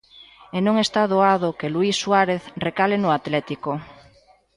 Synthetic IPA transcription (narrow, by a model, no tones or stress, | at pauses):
enõŋest̪aðoað̞okeluisːwaɾeθrekalenʊat̪lɛt̪iko